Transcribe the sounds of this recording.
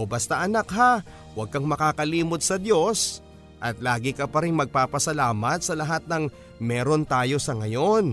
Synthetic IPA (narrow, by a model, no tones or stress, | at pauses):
obɐst̪aʔɐnak̚ɦa | wɐɡ̚kɐŋmɐkaːkɐliːmod̪̚sɐd̪jo̞s | ʔɐt̪laːɡɪkɐpɐɾɪŋmɐɡ̚paːpɐsɐlaːmɐt̪̚sɐlɐɦat̪̚nɐŋ | mɛːɾo̞nt̪aːjo̞sɐŋɐjo̞n